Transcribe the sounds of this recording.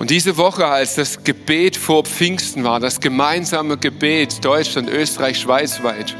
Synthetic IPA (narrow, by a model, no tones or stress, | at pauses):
ʔʊntd̥iːzəvɔχəalsd̥asɡ̥əb̥eːtfoːɐp͡fɪŋstn̩vaːɐdasɡ̥əmaɪnzaːməɡəbeːtd̥ɔʏt͡ʃlantʔøːstəʁaɪçʃv̥aɪt͡sv̥aɪt